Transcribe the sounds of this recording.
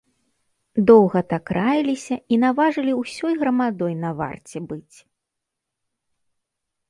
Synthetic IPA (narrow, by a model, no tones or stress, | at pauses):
d̪ɔwɣɐt̪ɐkɾajilʲisʲɐin̪avaʐɨlʲiwsʲɔjɣɾɐmad̪ɔjnɐva̰rt͡sʲɛbɨt͡sʲ